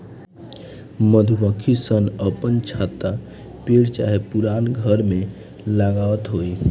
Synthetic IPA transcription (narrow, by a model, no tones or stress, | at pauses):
məd̪ʱubəkʰisənəpənt͡ʃʰat̪a | peɽt͡ʃaɦepuɾanɡʱəɾme | ləɡawt̪ɦoj